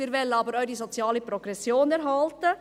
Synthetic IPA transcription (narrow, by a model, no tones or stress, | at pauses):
iːɾʋɛlːənɑːbəɾœʏɾisot͡sjɑːləpɾoɡ̥ɾɛsjoːnɛɾɦɑltə